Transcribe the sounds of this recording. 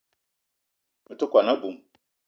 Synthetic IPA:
u˨tu˦kʷa˨na˦bu˨m

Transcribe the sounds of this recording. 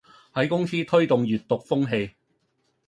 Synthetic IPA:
hɐ˨˥jkʊ˥ŋsiː˥t̪ʰɵ˥ɥt̪ʊ˨ŋɥyː˨˩t̚t̪ʊ˨k̚fʊ˥ŋɦe˧j

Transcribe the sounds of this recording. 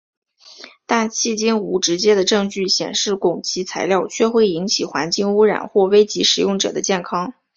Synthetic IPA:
t̪a˥˧nt͡ɕʰi˥˩t͡ɕi˥nu˧˥ʈ͡ʂɻ̩˧˥t͡ɕjɛ˥d̪ə˨ʈ͡ʂɤ˥˧ŋt͡ɕy˥˩ɕjɛ̰˨˩nʂɻ̩˥˩kʊ˨˩ŋt͡ɕʰi˧˥t͡sʰa˧˥ɪljɑ˥˧ʊt͡ɕʰɥɛ˥˧xwe˥˩ɪi˧˥nt͡ɕʰi˨˩xwa˧˥nt͡ɕi˥˩ŋu˥ɻa̰˨˩nxwɔ˥˩we˥ɪt͡ɕi˧˥ʂɻ̩˨˩jʊ˥˩ŋʈ͡ʂɤ̰˨˩d̪ə˦t͡ɕjɛ˥˩nkʰɑ˥ŋ

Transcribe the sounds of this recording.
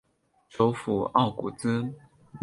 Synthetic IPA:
ʈ͡ʂo˧˥ʊfu˨˩ɑ˥˩ʊkṵ˨˩t͡sɹ̩˥

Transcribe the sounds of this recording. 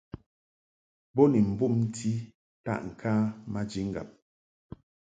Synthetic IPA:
bɔ˦ni˨m̩˨bu˦˨mn̩˦ti˦ | ta̰˦˨ʔŋ̩˨kʰaː˦ma˦d͡ʒi˦ŋ̩˦ɡa̰˨p̚

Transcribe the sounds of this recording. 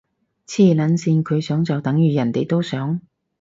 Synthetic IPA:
t͡sʰiː˥˩lɐ˨˥nsiː˧nkʰɵ˨˧ɥsœː˨˥ŋt͡sɐ˨wt̪ɐ˨˥ŋjyː˨˧jɐ˨˩nt̪e˨˩jt̪o˥wsœː˨˥ŋ

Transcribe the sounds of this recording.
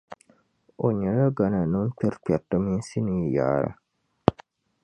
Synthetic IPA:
o˨ɲɛ˨ɾa˦ɡa˨na˨nɨ˦k͡pɛ˦ɾk͡pɛ˨tːɨ˦mi˦n˦si˦ni˨ja̰ː˨ɾa̰˦

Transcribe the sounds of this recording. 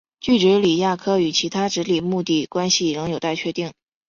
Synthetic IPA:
t͡ɕy˥˩ʈ͡ʂ̩˧˥li˨˩ja˥˩kʰɤ˥˩y˨˩t͡ɕʰi˧˥t̪ʰa˥ʈ͡ʂɻ̩˧˥li˨˩mu˥˧t̪i˥˩kwa˥nɕi˨ɻɤ˧˥ŋjo˨˩ʊt̪a˥˩ɪt͡ɕʰɥɛ˥˧t̪i˥˩ŋ

